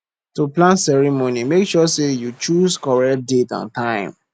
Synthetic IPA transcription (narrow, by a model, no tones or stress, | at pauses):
tuplãnsɛɹimonimekʃɔsejut͡ʃuskɔɹɛkt̚detɔ̰̃ntãɪ̃m